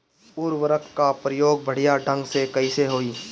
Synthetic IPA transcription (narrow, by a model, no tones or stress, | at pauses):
puːɾʋəɾəkʰːapɾəjoːɡ̚bʱəɽ̤ijaɖʱə̃ŋɡsekɐɪseɦoːiː